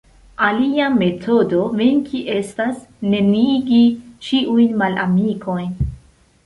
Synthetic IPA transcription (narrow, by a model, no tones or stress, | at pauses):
aliame̞tʰo̞do̞veŋkʰiʔe̞stasne̞niɡit͡ʃiʔujnmalʔa̰miko̞jn